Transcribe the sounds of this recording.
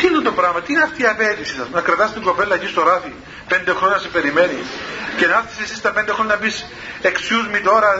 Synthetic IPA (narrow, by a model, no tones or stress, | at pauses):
t̪inent̪opɾɐɣmɐt̪ineɐft̪iːɐpet̪isisɐsunɐkɾɐt̪ɐst̪iŋɡo̞pelːɐecist̪oɾɐθi | pe̞nd̪e̞xɾoɲɐsepe̞ɾime̞nicenɐfθi̥sesist̪ɐpend̪exɾoɲɐnɐbis | eksjuzmit̪o̞ɾɐ